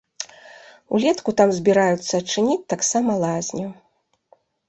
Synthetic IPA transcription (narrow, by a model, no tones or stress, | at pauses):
ṵlʲɛt̪kut̪amzʲbʲiɾajut̪sːɐɐt͡ʂɨnʲit͡sʲt̪aksamɐlˠazʲnʲu